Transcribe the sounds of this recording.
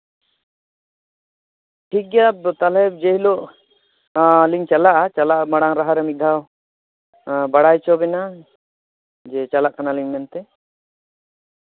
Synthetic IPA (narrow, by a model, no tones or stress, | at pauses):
ʈʰik̚ɡɛjat̪alɛd͡ʒɛɦlɔʔ | liŋt͡ʃalaʔat͡ʃalaʔmaɽaŋɾaɦaɾɛmid̪ʱaw | baɽajt͡ʃɔbɛna | d͡ʒɛt͡ʃalaʔkanaliŋmɛnt̪ɛ